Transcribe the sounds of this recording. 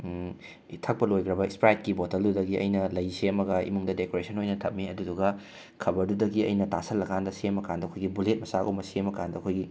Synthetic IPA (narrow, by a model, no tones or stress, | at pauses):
tʰɐk̚pɐlojɡɾɐbɐikspɾajt̚kibotɐldudɐɡiɐ̰jnɐlɐjseɐmɐɡɐḭmuŋdɐdekoɾesɐnojnɐtʰɐp̚miɐduduɡɐ | kʰɐbɐɾdudɐɡiɐ̰jnɐtasɐlːɐkandɐsemɐkandɐkʰojɡibulet̚mɐsakʔo̰mɐsemɐkandɐɐkʰojɡi